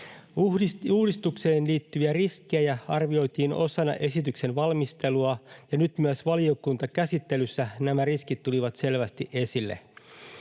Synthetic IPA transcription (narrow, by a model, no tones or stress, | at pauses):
uiuːdist̪ukseːnliːt̪ːyʋiæriskˑeæjæɑrʋio̞jt̪iːno̞sɑnɑ̰ʔe̞sit̪ykse̞nʋɑlmist̪e̞luɑjɑnyt̪myæsʋɑlio̞kunt̪ɑkæsit̪ːe̞lysːænæmæriskit̪ːuliʋɑt̪se̞lʋæst̪iʔe̞silːḛ